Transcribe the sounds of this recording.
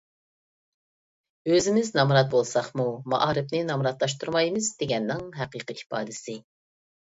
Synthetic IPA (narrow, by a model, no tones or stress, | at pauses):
øzɪmɪznɑmɾɑt̪̚bolˠsɑχmumɑ̰ʔɑːɾɪpnɪnɑmɾɑt̪lˠɑʃt̪ʰuɾmɑjmɨzd̪eɡʲɛnːɪŋɦɛqiːqʰiipɑ̰ːd̪ɪsɪ